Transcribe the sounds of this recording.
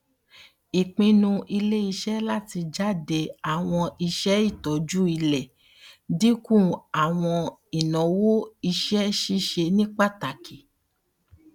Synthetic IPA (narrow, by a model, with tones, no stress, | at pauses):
i˨k͡pĩ˧nũ˧ʔi˧le˦i˧ʃɛ˦la˦˨ti˧d͡ʒa˦˨de˧a˨w̃ɔ̃˧i˧ʃɛ˦i˦˨tɔ˨˦d͡ʒu˦i˧lɛ˨ | di˦kũ˦˨a˨w̃ɔ̃˧i˨nɔ̃˨˦wo˦i˧ʃɛ˦ʃi˦ʃe˧nĩ˦k͡pa˦˨ta˨kʰi˨